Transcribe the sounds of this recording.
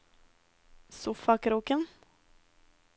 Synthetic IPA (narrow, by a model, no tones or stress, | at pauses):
sʊfakɾuːkən